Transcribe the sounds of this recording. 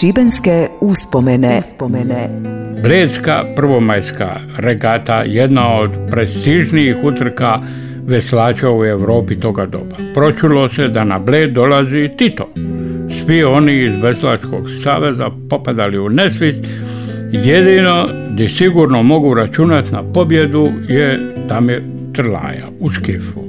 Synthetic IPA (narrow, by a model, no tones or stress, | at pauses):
t͡ʃibenskeuspomenespomenebleːd̪ska̰pr̩ʋo̞majska̰ | ɾeɡat̪a̰je̞d̪naod̪pɾest̪iʒniixut̪r̩ka | ʋeslaːt͡ʃaue̞ʋɾo̞ːpit̪o̞ɡad̪o̞̰bapɾo̞t͡ʃulosed̪ana̰bleːd̪d̪o̞lazit̪it̪o̰sʋio̞niːzʋe̞slat͡ʃko̞̰ɡsa̰ːʋe̞zapo̞pad̪aliunesʋist̪ | jed̪ino̞d̪isiɡuɾno̞mo̞ɡuɾat͡ʃunat̪napo̞bje̞d̪ujet̪ami | t̪r̩la̰ja̰uskifu